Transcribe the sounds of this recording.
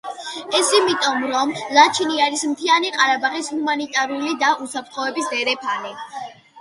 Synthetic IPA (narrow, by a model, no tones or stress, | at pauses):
ɛsimit̪ʼɔmɾɔmlˠat͡ʃʰiniaɾismt̪ʰianiqʼaɾabaχishumanit̪ʼaɾulid̪aʔusapʰɾt̪ʰχɔɛbisd̪ɛɾɛpʰani